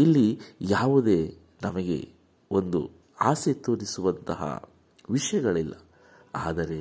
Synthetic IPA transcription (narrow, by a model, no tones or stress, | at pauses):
ilːijaːʋud̪e̞ː | nɐmɐɡe̞̰ | o̞nd̪ṵ | aːset̪oːɾisuʋɐnt̪ɐɦɐ̰ | ʋiʂɐjɐɡɐɭilːɐ | aːd̪ɐɾe̞